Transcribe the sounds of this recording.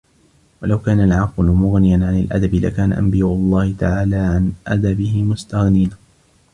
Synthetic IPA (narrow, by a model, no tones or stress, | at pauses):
walawkaːnalʕɑqlʊmʊɣnɪjanʕanɪ̰lʔa̰d̪abɪla̰kaːna̰ʔa̰mbɪjaːʔʊlˤːɑːhɪt̪aʕaːlaːʕanʔa̰d̪abɪhɪmʊst̪aɣniːna